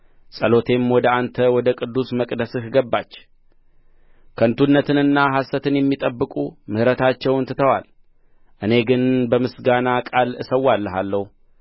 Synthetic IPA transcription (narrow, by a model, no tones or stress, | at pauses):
sʼəlo̞t̪ʰe̞mwɔd̪əant̪ʰəwɔd̪əkʼɨd̪ːusməkʼd̪əsɨhɡəbːat͡ʃː | kʰənt̪ʰunːət̪ɨnɨnːaɦasːət̪ʰɨnjɛmːit̪ʼəbːɨkʼumɨhɾət̪ʰat͡ʃːɛwɨnt̪ɨt̪ʰəwal | ʔɨne̞ɡɨnbəmɨsɡanakʼalɨsəwːalːəɦalːəhu